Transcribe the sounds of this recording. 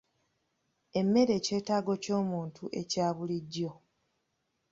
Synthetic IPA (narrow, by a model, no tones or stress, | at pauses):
e̞mːe̞ɾe̞ːce̞ːtaːɡo̞co̞ːmuːntuʔe̞caːβuliɟːo̞